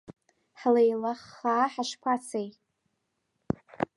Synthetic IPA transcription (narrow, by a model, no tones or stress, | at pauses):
ħlejlaχːaːħaʃpʷʰat͡sʰej